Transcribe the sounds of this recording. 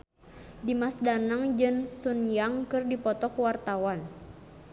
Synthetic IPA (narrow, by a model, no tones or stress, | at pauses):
dimasdanaŋd͡ʒɨnsunjaŋkɨrdipɔt̪ɔkuwart̪awan